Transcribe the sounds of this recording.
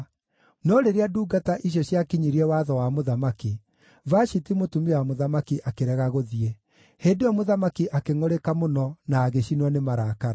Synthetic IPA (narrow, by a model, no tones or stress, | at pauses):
nɔɾeɾeaduːɡataʔiɕ̬jɔɕjakiɲiɾiɛwaðɔwamoðamaki | vaʃitimotumewamoðamakiʔakeɾɛɣaɣoðiɛ | heːndeɔmoðamakiʔakeŋoɾekamonɔnaːɣeɕinwɔnemaɾakaɾa